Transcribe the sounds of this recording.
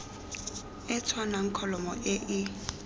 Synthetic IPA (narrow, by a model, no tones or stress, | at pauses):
ɛt͡sʰwanaŋ̩kʰɔlɔmɔ̰ʔɛʔi